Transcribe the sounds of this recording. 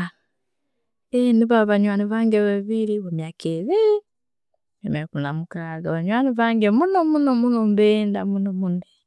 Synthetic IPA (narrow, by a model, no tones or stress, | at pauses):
eniβaβaɲwaniβaːŋɡeβaβiliβomjakʰeβi | emeɾkunamukaaɡaβaɲwaniβaŋɡemunomunomunombendamunomune